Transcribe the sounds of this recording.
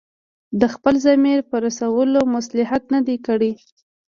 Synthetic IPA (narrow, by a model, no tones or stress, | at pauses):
d̪əxpəlzamiɾpəɾasawəlomʊslɪɦat̪nad̪ekəɽi